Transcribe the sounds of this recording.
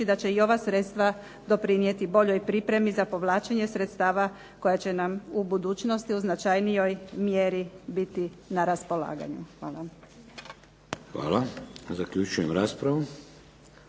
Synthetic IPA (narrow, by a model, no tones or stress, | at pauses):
id̪at͡ɕe̞io̞ʋasɾe̞t̪st̪ʋa | d̪o̞pɾinije̞t̪ibo̞ʎo̞jpɾipɾe̞mizapo̞ʋlˠaːt͡ʃeɲe̞sɾe̞t̪st̪aːʋa | ko̞jat͡ɕe̞namubud̪uːt͡ʃno̞st̪iuznat͡ʃajnijo̞jmjeɾibit̪inaɾaspo̞la̰ːɡa̰ɲuxʋaːla | xʋa̰ːlazakʎut͡ʃujemɾaːspɾaʋu